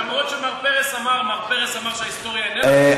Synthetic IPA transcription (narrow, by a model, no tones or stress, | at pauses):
amʁot̪ʃemaʁpeʁesamaʁmaʁpeʁesamaʁʃeaist̪o̞ʁjane